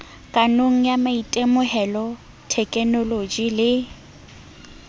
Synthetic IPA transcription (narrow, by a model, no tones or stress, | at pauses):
kʼanoŋ̩jamaitʼemʊhɛlɔ | tʰɛkʼɛnolod͡ʒilɪ